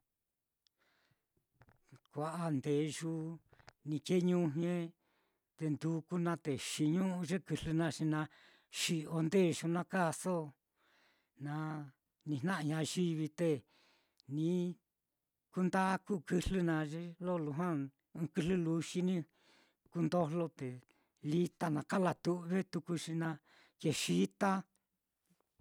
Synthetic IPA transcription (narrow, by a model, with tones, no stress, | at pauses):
kʷa˧ʔa˧nd̪e˨ʒu˦nĩ˧ke˦ɲũ˦ɦẽ˦ | t̪e˧nd̪u˧ku˦nã˧t̪e˨ʃi˧ɲũ˦ʔũ˧ʒe˦kɨ˧lɨ˧nã˧ʂi˧nã˧ | ʃi˧ʔo˧nd̪e˦˨ʒu˧nã˧ka˦so˦ | nã˧ | nĩ˧nã˦ʔã˧ɲã˧ʒi˦βi˧t̪e˧ | nĩ˧˦ | ku˧nd̪a˦ku˦˨kɨ˧lɨ˦nã˧ʒe˦lo˦˨lu˧ɦã˦ | ɨ̃˧kɨ˧lɨ˦lu˧ʃi˦nĩ˦ | ku˧nd̪o˦lo˦t̪e˨ | li˦t̪a˧nã˧ka˦la˧t̪u˧ʔβe˦t̪u˧ku˧ʂi˧nã˧ | ke˧ʃi˦t̪a˦